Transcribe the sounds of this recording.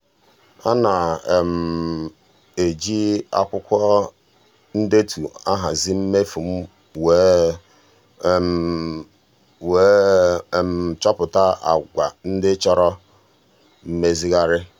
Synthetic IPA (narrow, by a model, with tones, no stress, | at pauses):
a˦na˨m̩˨ | e˨d͡ʒi˦a̰˦kʷʊ˦kʷɔ˦ | n̩˦de˦tʰu˨a˦ɦa˨zi˦m̩˦me˦fu˨m̩˦ | we˨˦˨ | we˨˦˨ | m̩˨t͡ʃɔ˦pʊ˨ta˦a̰˨ɡʷa˨n̩˦dɪ˦t͡ʃɔ˦ɾɔ˦ | m̩˦me˦zi˦ɣa˦ɾɪ˦